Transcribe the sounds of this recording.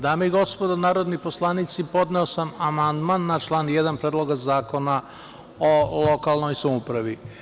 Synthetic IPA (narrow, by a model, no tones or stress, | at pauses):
d̪aːmeiɡo̞spod̪onaːɾod̪niposlˠanit̪sipo̞d̪neo̞samamand̪manːat͡ʃlˠaːnjed̪anpɾeːd̪lˠoɡazaːko̞na | olo̞kalˠno̞jsamupɾaʋi